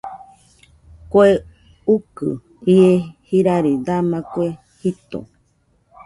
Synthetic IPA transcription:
koe | ukɨ̰ | iehiɾaɾid̪amãkoe | hit̪o̰

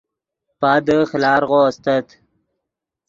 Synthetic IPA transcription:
pad̪əxlɑːɾɣoːst̪ət̪

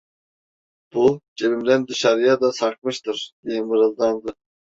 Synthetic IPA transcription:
b̥ud͡ʒebimd̪ænd̪ɯʃaɾɯjad̪asaɾk̚mɯʃt̪ʰɯɾd̪̥ijɛmɯɾɯlˠd̪and̪ɯ

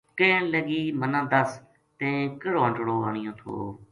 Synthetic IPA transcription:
kẽːnləɡiːmənãːd̪əs | t̪ẽːkəɽoːəɳʈɽoːaːɳ̃ɪjõːt̪ʰo̰ː

